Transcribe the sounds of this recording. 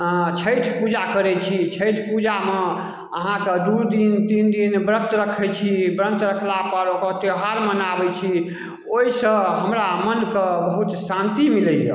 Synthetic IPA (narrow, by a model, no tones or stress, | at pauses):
t͡ʃʰəjt̪ʰpud͡ʒakəɾɛt͡ʃʰit͡ʃʰəjt̪ʰpud͡ʒame | əɦãked̪ud̪int̪ind̪inbɾə̃nt̪ɾəkʰɛt͡ʃʰibɾə̃nt̪ɾəkʰlapəɾokət̪eɦaɾmənabɛt͡ʃʰi | oisə̃ɦəmɾamənkebəɦut̪sãnt̪imilɛjḛ